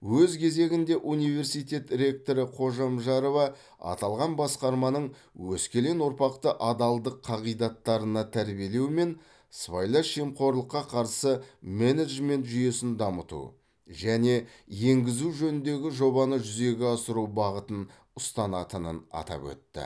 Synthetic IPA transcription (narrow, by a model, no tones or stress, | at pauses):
wɵzkʲʰe̞ze̞ɡʲɪnd̪e̞ʔunijve̞ɾsijt̪e̞t̪ɾʲe̞k̚t̪o̞ɾəqʰo̞ʒɑmʒɑɾovɑ | ɑ̰t̪ɑlˠʁɑnbɑsqɑɾmɑnəɴ | wɵskʲe̞le̞nwoɾpɑq̚t̪əʔɑd̪ɑlˠd̪əqʰːɑʁijd̪ɑt̪ːɑɾənɑt̪ʰæɾbije̞le̞wme̞n | svajlˠaʃemqo̞ɾlˠəqːɑqʰɑɾsəmeneʒme̞nt̪ʒʏje̞sɪnd̪ɑmət̪ṵ | ʒæne̞ | je̞ŋɡʲɪzuʒɵnɪnd̪e̞ɡʲɪʒo̞bɑnəʒʏze̞ɡʲɪɑsəɾuwbɑʁət̪ən | ʊst̪ɑnɑt̪ənə̰nɑ̰t̪ɑ̰pwɵ̰t̪ːɪ̰